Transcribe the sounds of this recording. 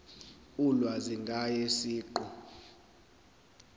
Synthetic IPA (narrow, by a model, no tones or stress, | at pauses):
ulwaziŋɡʱajesiːǃɔ